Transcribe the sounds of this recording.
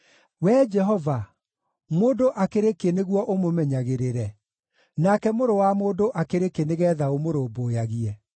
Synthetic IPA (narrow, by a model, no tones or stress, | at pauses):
wɛd͡ʒɛɦɔva | moːdoʔakeɾekeneɣwɔʔomomɛɲaɣeɾeɾɛ | nakɛmoɾowamoːdoʔakeɾekeneɣɛːðaomoɾoːboːjaɣiɛ